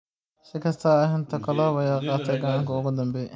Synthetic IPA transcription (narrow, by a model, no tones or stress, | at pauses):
sɪkʰɐst̪ʰɐːɦɪnt̪ʰɐkʰɐlɔːwɐjaːqɑːt̪ʰɐjɡɐʔaːŋkʰɐʊɣʊd̪ɐmbɛj